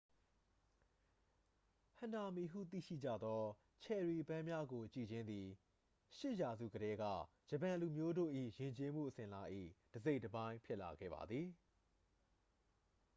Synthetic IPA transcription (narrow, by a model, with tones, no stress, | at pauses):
hã˨nda˨mi˨ɦṵ˦˨t̪ḭ˦˨ʃḭ˦˨d͡ʑä̰˦˨d̪ɔ˦ | t͡ɕʰɛ˨ɹi˨pã˦mja˦ɡo˨t͡ɕḭ˦˨d͡ʑɪ̃˦nd̪i˨ | ʃɪ˦ʔja˨zṵ˦˨ɡəɾɛ˦ɡä̰˦˨ | d͡ʑə˨pã˨nlu˨mjo˦do̰˦˨ʔḭ˦˨jɪ̃˨ɲt͡ɕe˦m̥ṵ˦˨ʔəsɪ̃˨la˦ʔḭ˦˨d̥əze˦ɪʔtːəbã˦ɪ̃mpʰjɪ˦ʔla̰˨ɡɛ̰˦˨ba̰˨d̪ði˨